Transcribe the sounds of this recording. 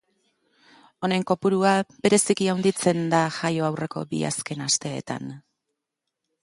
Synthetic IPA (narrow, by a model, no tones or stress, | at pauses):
o̞ne̞ŋko̞puɾuabe̞ɾe̞sikiawnd̪it͡se̞nd̪aʝajo̞awre̞ko̞̰bḭa̰ske̞nast̪e̞̰ːt̪a̰n